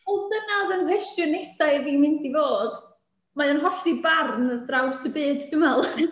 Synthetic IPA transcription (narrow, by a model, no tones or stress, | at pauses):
ɔldənaðənkwɛstjɔnejsaɨviːmɪndivoːd̥ | majɔnɦɔɬibarnədrawrsəbɨːddʊmɛlˠ